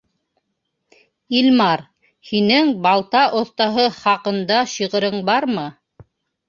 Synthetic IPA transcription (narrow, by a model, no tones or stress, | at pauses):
ilmɑɾ | hinɘŋbɑlˠt̪ɑʔŏθt̪ɑɦɤχɑqɤ̆nd̪ɑʃiʁɤ̆ɾɤɴbɑɾmɤ